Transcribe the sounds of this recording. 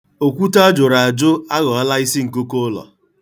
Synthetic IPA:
o˨kʷu˦ta˦a˦d͡ʒʊ˨ɾa˨a˨d͡ʒʊ˦a˦ɣɔ˨ɔ˦la˦i˦si˦ŋ̩˨ko˦ko˦lɔ̰˨

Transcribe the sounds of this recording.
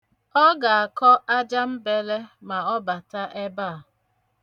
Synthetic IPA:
ɔ˦ɡa˨a˨kɔ˦ʔa˦d͡ʒa˦m̩˦be˦le˦ma˨ɔ˦ba˨ta˦ʔe˦ba˦˨

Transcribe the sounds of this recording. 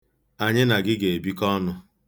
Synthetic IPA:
a˨ɲɪ˦na˨ɡɪ˦ɡe˨e˨bi˦kɔ˦nʊ˦

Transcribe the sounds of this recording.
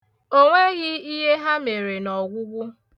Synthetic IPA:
o˦ŋʷe˦ɣɪ˦i˦ɦe˦ɦa˦me˨ɾe˨nɔ˨ɡʷʊ˦ɡʷʊ˦

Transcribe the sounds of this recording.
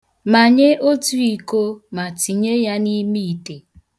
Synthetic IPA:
ma˨ɲe˦ʔo˦tu˦i˨ko˦ma˨ti˨ɲe˦ja˦ni˦mi˦i˨te˨

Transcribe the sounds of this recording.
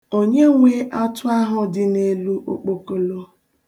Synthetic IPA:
o˦ɲe˦ŋʷe˦ʔa˦tʊ˦a˦ɦʊ˦dɪ˦ne˦lu˦ʔo̰˦k͡po˨ko˨lo˦

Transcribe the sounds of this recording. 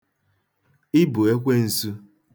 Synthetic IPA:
ɪ˦bʊ˨e˦kʷe˦n̩˨su˦

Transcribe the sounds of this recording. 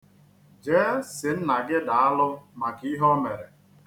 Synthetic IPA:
d͡ʒe˦sɪ˨n̩˦na˨ɡɪ˦da˨a˦lʊ˦ma˨ki˦ɦɔ˦me˨ɾe˨

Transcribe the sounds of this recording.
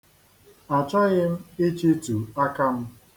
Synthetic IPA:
a˨t͡ʃɔ˦ɣɪ˦m̩˦e˦t͡ʃe˦tu˨a˦ka˦m̩˦

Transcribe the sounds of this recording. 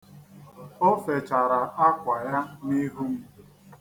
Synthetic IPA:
o˦fe˨t͡ʃa˨ɾa˨a˦kʷa˨ja˦ni˦ɦu˦m̩˦

